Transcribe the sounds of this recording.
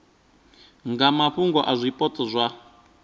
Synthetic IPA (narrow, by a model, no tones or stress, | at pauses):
ŋɡamaɸuŋɡɔʔazʷipʼɔt͡sʼɔzʷa